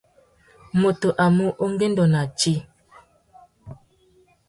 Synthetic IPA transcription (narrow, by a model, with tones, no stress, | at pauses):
mo˨to˨ʔa˨mu˦ʔo˦ŋ˦ɡe˦n˦dɔ˨na˨t͡ʃi˦